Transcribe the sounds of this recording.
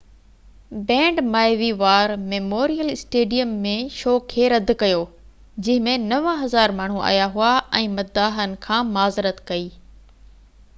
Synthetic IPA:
bɛ̃ːɳɖmaːɪʋiʋaːɾmeːmoːɾijəlɪsʈeːɖijəmːẽʃoːkʰːeːɾɐd̪kɐjoː | d͡ʑɐ̃ɦɪ̃mẽnɐʋɦɐzaːɾmaːɳ̤uʔa̰ːjaɦuaɛ̃ːmɐd̪aːɦənɪ̆kʰãːmaːzɾət̪kɐiː

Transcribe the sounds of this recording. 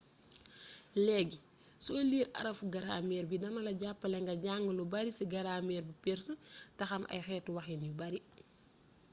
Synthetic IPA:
lɛːɡi | soliːɾʔɐ̰ɾɐfuɡɐɾaːmɛːɾbidɐnɐlɐɟapːɐlɛŋɡɐɟaːŋɡəlubɐɾisiɡɐɾaːmɛːɾbipɛɾsətɐxɐmʔɐ̰jxɛːtːwɐxɛnjubɐɾi

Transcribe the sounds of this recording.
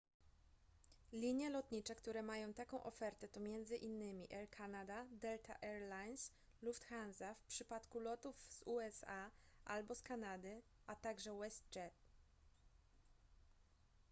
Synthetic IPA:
lʲiɲjɛlɔt̪ɲit͡ʂɛkt̪uɾɛmajɔ̃w̃t̪akɔ̃w̃ʔɔ̰fɛɾt̪ɛt̪ɔmʲjɛnd̪zɘʔinːɘmʲiʔɛɾkʰanad̪ad̪ɛlt̪a̰ʔɛɾlajns | luft̪xanzafpʂɘpat̪kulɔt̪uvz̥uɛsaʔalbɔskanad̪ɘʔat̪aɡʐɛwɛst̪̚d͡ʒɛt̪

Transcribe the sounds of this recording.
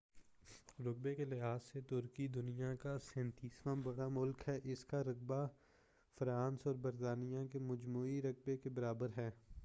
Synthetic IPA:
ɾʊk̚bekelɪɦaːzːet̪ʊɾkid̪ʊnijakasɛ̃ːnt̪iːsmãbɐɽamʊlkɦɛʔɪskaɾɐk̚ba | fɾaːnsɔːɾbɐɾt̪aːnijakemɐd͡ʒmuːiɾɐk̚bekebɐɾaːbəɾɦɛː

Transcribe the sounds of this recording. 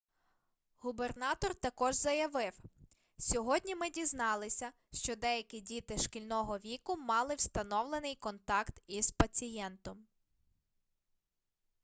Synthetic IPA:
ɦubernɑt̪ɔrt̪ɐkɔʒzɐjɐʋɪw | sʲɔɦɔdʲnʲimɪdʲiznɑlˠɪsʲɐ | ʃt͡ʃɔd̪ɛjɐkʲidʲit̪ɪʃkilʲnɔɦɔʋʲikʊmɑlˠɪwst̪ɐnɔwlˠenɪjkɔnt̪ɑkt̪iz̥pɐt͡sʲijɛnt̪ɔm

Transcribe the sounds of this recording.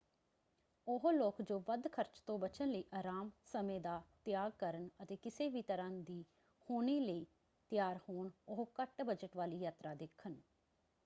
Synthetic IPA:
ʊɦloːkd͡ʒoːʋəd̪kʰəɾt͡ʃt̪õːbət͡ʃʰənləiːʔaːɾaːmsəmẽːd̪aːt̪ɪjaːɡ̚kəɾənət̪eːkɪseːʋiːt̪əɾãːd̪iː | hoːniːləiː | t̪jaːɾhoːɳʊɦkəʈbəd͡ʒəʈʋaːliːjaːt̪ɾaːd̪ekʰːən

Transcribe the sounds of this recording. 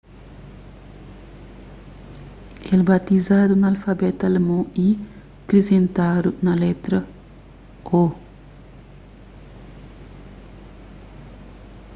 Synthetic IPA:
ʔelbat̪izaːd̪unɐalfabɛt̪ɐlmõi | kɾezẽnt̪aːd̪unɐlɛt̪ɾɐ | o

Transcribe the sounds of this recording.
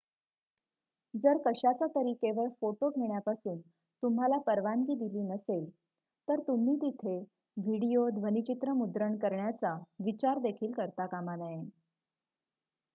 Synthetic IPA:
d͡zəɾkəɕat͡sat̪əɾiːkeʋəɭfoʈoɡʱeɳjapasuːn | t̪um̤ɦalapəɾʋanɡiːd̪iliːnəsel | t̪əɾt̪um̤iːt̪it̪ʰe | ʋiɽijod̪ʱʋənit͡ɕit̪ɾəmud̪ɾəɳkəɾɳjat͡saʋit͡ɕaɾd̪ekʰiːlkəɾt̪akamanaɦen

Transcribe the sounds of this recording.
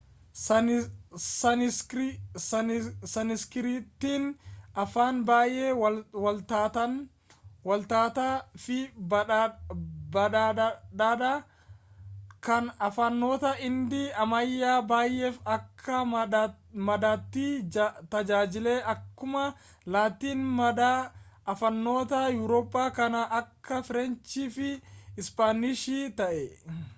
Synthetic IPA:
s | sɐsɐnɪskɪɾiːt̪ːiːnʔɐfaːnbaːjʔe̞ːwwɐlt̪aːt̪ɐn | wɐlt̪aːt̪aːfɪb | bɐᶑad̪aːd̪aː | kɐnɐfɐnːo̞ːt̪ɐɪnd̪ɪɐmɐjːaːbaːjʔɛːfɐkʰːɐ | mɐd̪aːt̪ːiːt̪ɐd͡ʒaːd͡ʒɪleːʔɐkːʊmɐ | laːt̪iːnmɐd̪aɐfɐnːo̞ːt̪ɐjuːɾoːpʼːaːkɐnɐʔɐkʰːɐfɪɾɛnt͡ʃiːfɪɪspaːnɪʃiːt̪ɐʔɛ

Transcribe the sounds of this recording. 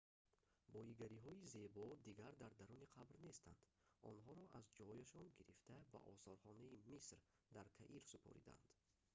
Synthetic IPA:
bɔiɡaɾiɦɔize̞bɔd̪iɡaɾd̪aɾd̪aɾuniqʰabɾne̞st̪ʰa̰nd̪̥ɔ̰nɦɔɾɔʔazd͡ʒɔjaʃɔnɡiɾift̪ʰaba̰ʔɔ̰sɔɾχɔnaimisɾ | d̪aɾt̪ʰaʔiɾsupʰɔ̰ɾḭd̪a̰nd̪̥

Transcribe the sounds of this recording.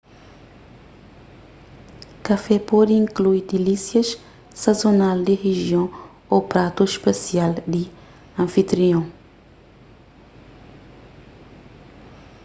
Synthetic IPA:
kɐfɛpɔd̪ɪĩŋkluiɾd̪ilisjɐʃ | sɐzonald̪iʁeʒiõw̃ | opɾat̪uʃpɐsiald̪i | ɐ̃fit̪ɾiõ

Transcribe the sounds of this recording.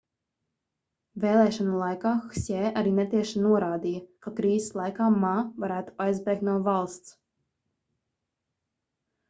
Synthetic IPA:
veːlˠɛːʃɔnulˠajkaːxsʲɛːʔaɾiːnɛt̪iɛʃanuɔɾaːd̪ijɐkakɾiːze̥slˠajkaːmaːvaɾæːt̪u̥ajzbɛːk̪nuɔvalˠst̪s

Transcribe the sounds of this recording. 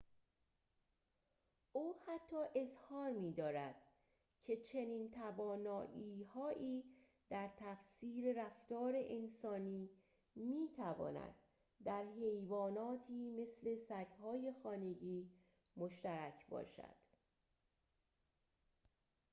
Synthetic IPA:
ʔuːhæt̪ʰːɒːʔe̞zhɒːɾmiːd̪ɒːɾæd̪̥ | cʰe̞t͡ʃʰe̞niːnt̪ʰævɒːnɒːʔiːhɒːʔiː | d̪̥æɾt̪ʰæfsiːɾe̞ɾæft̪ɒːɾeʔensɒːniː | miːt̪ʰævɒ̰ːnæ̰d̪̥ː | æɾɦe̞jvɒːnɒːt̪ʰiːme̞sle̞sæɡhɒːje̞xɒːne̞ɟiː | moʃt̪æɾæcʰbɒ̰ːʃæ̰d̪̥

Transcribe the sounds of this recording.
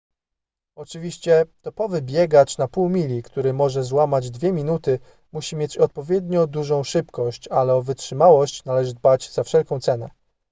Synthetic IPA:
ɔt͡ʂɘvʲiɕt͡ɕɛt̪ɔpɔvɘbʲjɛɡat͡ʂnapuwmʲilʲikt̪uɾɘmɔʐɛzwamad͡ʑd̪vʲjɛmʲinut̪ɘ | muɕimʲjet͡ɕɔt̪̚pɔvʲjɛd̪ɲɔd̪uʐɔ̃w̃ʂɘpkɔɕt͡ɕalɛɔvɘtʂɘmawɔɕt͡ɕnalɛʐɘd̪̚bad͡ʑz̥afʂɛlkɔ̃w̃t̪sɛnɛ̰

